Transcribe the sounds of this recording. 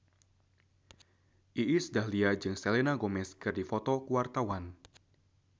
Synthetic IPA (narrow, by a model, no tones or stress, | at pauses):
ʔiʔisudahliad͡ʒɨŋsɛlenaɡɔmɛskɨrdifɔt̪ɔkuwart̪awan